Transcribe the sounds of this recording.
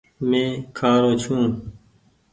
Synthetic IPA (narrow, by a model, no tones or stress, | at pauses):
mẽːkʰaːɾoːt͡ɕʰũː